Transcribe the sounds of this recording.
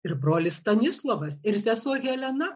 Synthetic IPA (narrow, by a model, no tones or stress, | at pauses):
ɪɾbɾoːlʲɪssst̪ɐnʲɪslˠoʋɐsɪɾsʲæsuɔɣʲɛlʲɛnɐ